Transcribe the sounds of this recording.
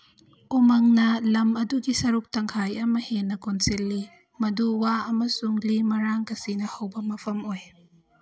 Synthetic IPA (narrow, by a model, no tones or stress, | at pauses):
ʔumɐŋnɐlɐmɐduɡisɐɾuk̚tɐŋkʰajɐmɐhenɐkɔnsilːi | mɐduwaɐmɐsuŋlimɐɾaŋkɐsinɐhɐwbɐmɐpʰɐmɔj